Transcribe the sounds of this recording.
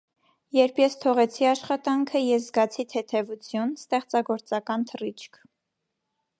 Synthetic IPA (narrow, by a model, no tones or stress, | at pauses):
jɛɾpʰjɛst̪ʰɔʁɛt͡sʰiɑʃχɑt̪ɑŋkʰəjɛzɡɑt͡sʰit̪ʰɛt̪ʰɛvut͡sʰjunst̪ɛχt͡sɑɡɔɾt͡sɑkɑnt̪ʰərit͡ʃʰkʰ